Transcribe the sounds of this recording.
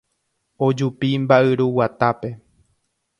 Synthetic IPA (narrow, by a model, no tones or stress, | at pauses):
o̞d͡ʒupimbaʔɨɾuwat̪ape̞